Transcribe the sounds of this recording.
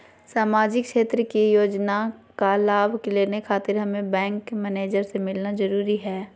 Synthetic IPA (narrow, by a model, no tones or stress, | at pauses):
saːmaːd͡ʒɪkʃeːt̪ɾəkijoːd͡ʒnakalaːbʱkeleːnekʰaːt̪ɪɾɦɐmẽbɛ̃ːŋkmɛneːd͡ʒəɾsemɪlnazɐɾuːɾiɦɛː